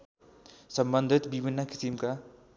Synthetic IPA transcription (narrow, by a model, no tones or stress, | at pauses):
sʌmbʌnd̪ʱit̪bibʱinːʌki̥simka